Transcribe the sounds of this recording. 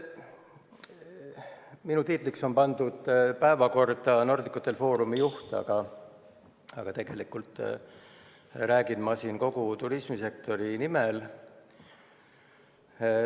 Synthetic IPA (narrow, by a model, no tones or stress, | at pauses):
minut̪it̪ˑlikso̞npɑnd̪̥ud̪̥pæe̞vɑko̞rd̪ɑno̞rd̪ikːˑut̪ːˑe̞lfo̞ːɾumijuht̪ɑ̰ɡ̥ɑ | ɑɡ̥ɑt̪e̞ɡ̥e̞likːult̪ˑ | ræːɡ̥inmɑsinko̞ɡ̥ut̪uɾismise̞k̚t̪o̞ɾinimel